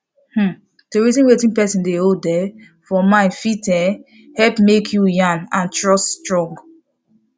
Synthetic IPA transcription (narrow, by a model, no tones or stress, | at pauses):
hm̩ | teɹitĩnwetĩnpɛsĩndeodɛ | fɔmãɪnfitɛ | hɛlpmekʰjujãnãntɹɔststɹɔ̃ŋɡ